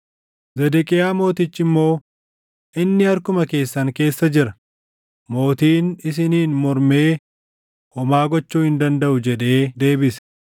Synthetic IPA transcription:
zɛd̪ɛkʼɪjaːmo̞ːt̪ɪt͡ʃːɪmːo̞ː | ʔɪnːɪɐɾkʊmɐke̞ːsːɐŋke̞ːsːɐd͡ʒɪɾɐ | mo̞ːt̪iːnɪs̬ɪniːnmɔɾme̞ː | ɔmaːɡɔt͡ʃːuːhɪnd̪ɐnd̪ɐʔʊd͡ʒɛᶑe̞ːd̪e̞ːbɪsɛ̥

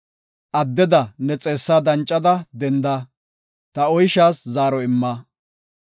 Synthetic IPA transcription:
ʔɐd̪ːɛd̪ɐnɛt͡sʼe̞ːsːaːd̪ɐnt͡ʃʼːɐd̪ɐd̪ɛnd̪ɐ | t̪ɐɔjʃaːszaːɾɔɪmːa

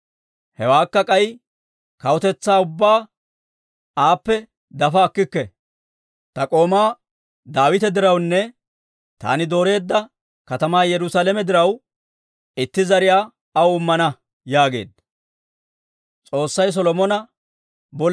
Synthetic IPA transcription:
hɛwaːkːɐkʼɐj | kɐwɔt̪ɛt͡sːaːʊbːaː | aːpːɛ | d̪ɐfɐːkːɪkːɛ | t̪ɐkʼo̞ːmaː | d̪aːwɪt̪ɛd̪ɪɾɐwnːɛ | t̪a̰ːnɪd̪o̞ːɾe̞ːd̪ːɐ | kɐt̪ɐmaːjɛɾʊsaːlɛmɛd̪ɪɾɐw | ɪt̪ːɪzɐɾɪjaː | ɐwʊmːɐnɐ | jaːɡe̞̰ːd̪ | t͡sʼo̞ːsːɐjs̬ɔlɔmɔnɐ | bɔ

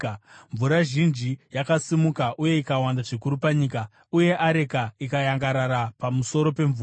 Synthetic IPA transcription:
ɱvuɾaʒind͡ʒijakasimukaʔuje̞ikawandaʐikuɾupaɲiːka | uje̞ʔaɾekaikajaŋɡaɾaɾapamuso̞ɾo̞pe̞ɱvuː

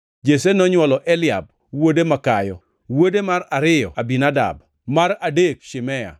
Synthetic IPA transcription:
d͡ʒesenɔɲwɔlɔʔɛlɪab̚ | wodemakajɔ | wodemaɾaɾɪjɔ̰abinada̰b | maɾadek̚ʃɪmɛja̰

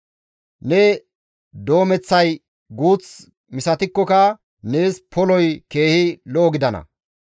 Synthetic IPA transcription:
nɛ | d̪o̞ːmɛt͡sːɐj | ɡuːt͡s | mɪsɐt̪ɪkːɔkɐ | ne̞ːspʰɔlɔjke̞ːhɪloːɡɪd̪ɐnɐ̰

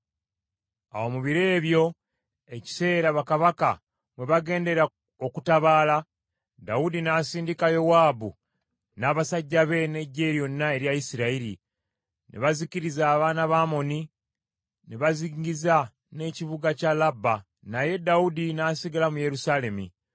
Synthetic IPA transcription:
a̰wo̞muβiɾe̞ːβjo̞ | eci̥se̞ːɾaβakaβaka̰ | mwe̞βaɡe̞ːnde̞ɾa | o̞kutaβaːla | daudinaːsiːndikajo̞waːbṵ | naːβasaɟːaβe̞ne̞ɟːe̞ɾjo̞nːae̞ɾjajisiɾaiɾḭ | nʔḛβaziciɾizaːβaːnaβaːmo̞ni | neβaziŋɟiza | ne̞ːciβuɡacalabːa | naje̞daudinaːsiɡalamuje̞ɾusale̞mḭ

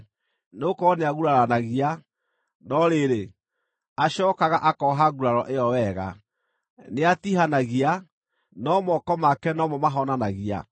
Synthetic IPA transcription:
nokɔneaɣuɾaɾanaɣia | nɔɾeɾe | aɕɔːkaɣaʔakɔɦaɣuɾaɾɔʔejɔwɛɣa̰ | neatiɦanaɣia | nɔmɔkɔmakɛnɔmɔmaɦɔnanaɣia̰

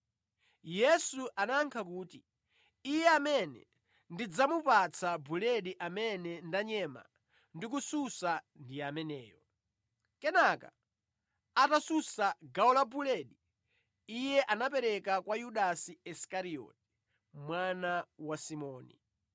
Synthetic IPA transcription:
jɛsuʔanaŋkʰakuːti | ijɛamɛnɛ̰ | ndid͡zamupat͡sʰabulɛɗiʔamɛnɛndaɲɛːma̰ | ndik̬ususa | ndijamɛnɛːjɔ | kɛnaka̰ | atasusaɡaɔlabulɛɗi | ijɛʔanapɛɾɛkakwajuɗasiɛskaɾiɔ̰ːti̥ | mwanawasimɔːnḭ

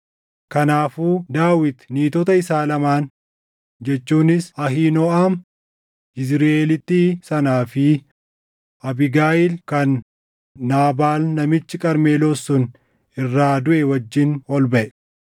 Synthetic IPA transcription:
kɐnaːfuːd̪aːwɪt̪niːt̪ɔt̪ɐɪsaːlɐmaːn | d͡ʒɛt͡ʃːuːnɪsɐɦiːnɔːʔaːm | ɪzɾʔeːlɪt̪ːiːsɐnaːfɪ | ʔɐbɪɡaːʔɪlkɐnː | aːbaːlnɐmɪt͡ʃːɪkʼɐɾmeːlosːʊn | ɪrːaːd̪ʊʔɛwɐd͡ʒːɪnɔlbɐʔɛ

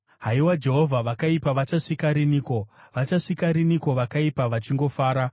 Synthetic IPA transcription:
ɦaiwad͡ʒe̞ɦo̞vʱaʋakaipaʋat͡ʃaʂikaɾiniːko̞ʋat͡ʃaʂikaɾiniko̞ʋakaipaʋat͡ʃiŋɡo̞faːɾa

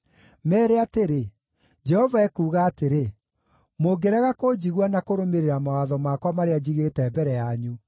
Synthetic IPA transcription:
mɛːɾeateɾe | d͡ʒɛhɔvaɛkuːɣaːteɾe | moɡeɾɛɣakod͡ʑiɣwanakoɾomeɾeɾamawaðɔmakwamaɾead͡ʑiɣetɛbɛɾɛjaɲu

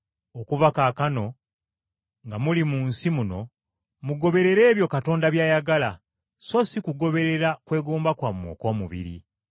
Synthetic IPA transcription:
okuvakaːkano̞ | ŋɡamulimuːnsimuno̞̰ | muɡo̞βe̞ɾe̞ɾe̞ːβjo̞kato̞ːndaβjaːjaɡala | so̞sikuɡo̞βe̞ɾe̞ɾakwe̞ːɡuːmbakwamwo̞̰ko̞ːmuβḭɾḭ

